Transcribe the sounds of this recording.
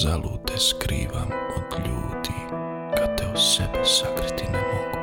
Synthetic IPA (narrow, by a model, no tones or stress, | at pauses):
zaluːt̪ɛskɾḭːʋamɔkʎuːd̪i | kat̪ɛwsɛbɛsakɾit̪inuɔku̥